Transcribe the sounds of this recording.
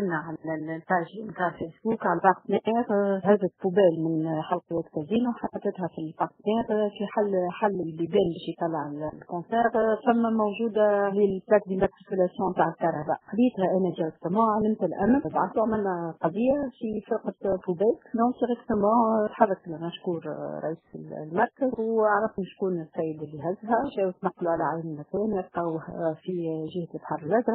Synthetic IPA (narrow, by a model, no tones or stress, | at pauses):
nːaʕallpaːʒmt̪aːʕəlfɛsbuːkʕalbɑʁt̪nɛʔɛːʁhæzət̪pubɛːlmɪnħalqwæt̪kæziːnwħɑt̪ːɑt̪ːɪt̪hɛfilbɑʁt̪nɛːʁfiħalːħalːɪlːibɛːnbɛːʃjt̪ˤɑlːɑʕɪllkɔ̃sɛːʁfæmːæmoʒuːd̪alelplæk̪̚d̪imat̪ɾikylasjɔ̃mt̪aːʕəlk̪ɑɾˤɑba̰ʔxalːiːət̪hɛʔæːnæd̪iʁɛk̚t̪əmɑ̃ʕalɪmt̪ɪlʔæ̰mnbaʕasuʕmælːæqɑd̪ˤɪjːafifɪɾqɑt̪bubɛːt̪d̪ɔ̃ːk̚d̪iɾɛkt̪əmɑ̃ːt̪ħɑðˤːət̪lmæʃkuːɾɾˤɑ̰ʔiːsə̰llmɑɾˤkəzwaʕɾˤɑfʊmʃkuːnsɛjːəd̪ɪlːiɦæzːɦæʃɛːwət̪nɑqːluʕalæʕalmlmækɛːnwɪtqɑwhfiʒɪhæt̪t̪ħɑɾˤəlʔaʒɾˤɑ